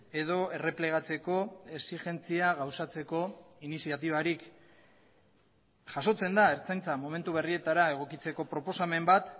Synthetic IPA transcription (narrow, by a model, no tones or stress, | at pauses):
e̞ðo̞e̞re̞ple̞ɣ̞at͡se̞ko̞e̞siʝe̞nt͡siaɣawsat͡se̞ko̞inisiat̪iβ̞aɾik | ʝaso̞t͡se̞nd̪ae̞ɾt͡sajnt͡samo̞me̞nt̪uβe̞rie̞t̪aɾae̞ɣ̞o̞kit͡se̞ko̞pɾo̞po̞same̞mbat̪